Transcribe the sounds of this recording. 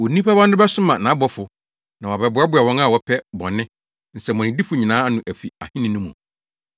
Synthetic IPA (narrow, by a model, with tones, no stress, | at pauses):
wo˨nĩ˦pʰa˦ba˦n˦dʊ˦bɛ˦sʊ˦mã˨nã˨˦bɔ˦fʊ˨ | nã˨wɔ˨bɛ˨bʊ˨˦a˦bʊ˦a˨wɔ̃˦ŋa˦˨wɔ˨pʰɛ˦bɔ̰˨nɪ̃˦ | n̩˨sɛ˨mɔ̃˨n˨ɪ̃˨di˦fʊ˨ɲĩ˨nãː˨˦nʊ̃˨ʔæ˨fi˨a̰˨hɪ̃˦nɪ̃˨˦nʊ̃˦mṵ̃˨